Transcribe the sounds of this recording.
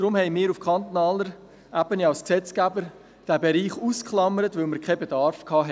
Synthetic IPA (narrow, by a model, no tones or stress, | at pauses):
d̥ɾʊmhɛɪmɪːɾufkʰχɑnt̪onɑːləɾ | ʔæbəniɑlsksɛt͡skæbəɾ | d̥æːbeɾiːχuːskχlɑməɾətvɵlməɾkχɛbedɑɾfkʰɑːɦɛ